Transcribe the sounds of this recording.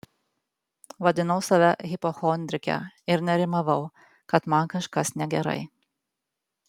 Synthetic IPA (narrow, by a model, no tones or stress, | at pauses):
ʋɐd̪ʲɪnɐʊsɐʋʲɛɣʲɪpoxɔnʲd̪ʲɾʲɪkʲɛ̰ɪɾnʲɛɾʲɪmɐʋɐʊ | kɐt̪mɐˑnkɐʃkɐsnʲɛɡʲɛɾɐ̰ɪ